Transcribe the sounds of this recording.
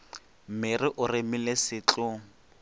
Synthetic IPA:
mɪrɪʔʊrɪmilesɪːt͡ɬʼʊ

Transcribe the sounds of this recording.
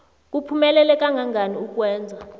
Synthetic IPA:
k̬ʼupʰumɛlɛlɛk̬ʼaŋɡʱaŋaniuk̬ʼwɛːnd͡zʱa

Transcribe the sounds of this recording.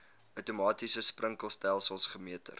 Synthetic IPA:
œwtumɑːtisəsprəŋkəlˠstælˠsəlˠsχəmiətə̰r

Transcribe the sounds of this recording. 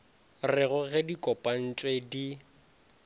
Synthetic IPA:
rɪɣʊɣɛdikʼɔpʼan̩t͡ʃʼwedi

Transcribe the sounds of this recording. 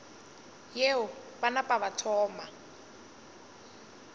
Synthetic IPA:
jeʊbanapʼaβatʰɔːma

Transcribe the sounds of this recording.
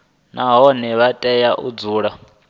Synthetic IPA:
naɦɔnɛβatʼɛjaʔṵd͡zuːɺa

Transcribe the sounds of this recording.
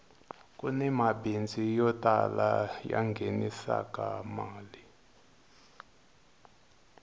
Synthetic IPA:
kʼunɛmabind͡zʱijɔtʼalajaŋɡʱenisa̰k̬ʼamaːli

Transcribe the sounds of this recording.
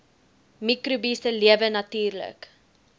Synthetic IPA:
mikɾubisəliəvənɐtyːrlə̰k

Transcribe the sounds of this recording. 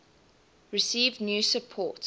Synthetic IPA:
ɹɪsiːvdnjuːsəpʰɔˑt

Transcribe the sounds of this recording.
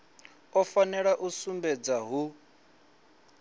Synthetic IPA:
ɔfanɛɺaʔusumbɛd͡zaɦu

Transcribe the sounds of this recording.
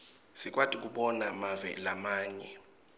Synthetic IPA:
sik̬ʼwatʼik̬ʼuɓɔnamavɛ̰lamaːɲɛ

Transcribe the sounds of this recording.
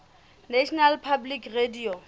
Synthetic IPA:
nɛʃnalpʰablikredio

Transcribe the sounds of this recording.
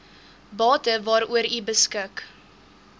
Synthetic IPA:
bɑːtəvɑːɾuəɾibəskək

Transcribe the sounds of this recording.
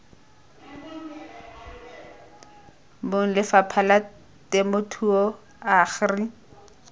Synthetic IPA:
boŋ̩lɪfapʰala | temotʰuɔ | aχri

